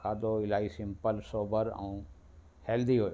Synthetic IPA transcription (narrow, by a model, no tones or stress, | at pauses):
kʰaːd̪oɪlaːisɪ̃mpəlsoːbəɾɛ̰̃ũː | hɛːld̪iɦoːj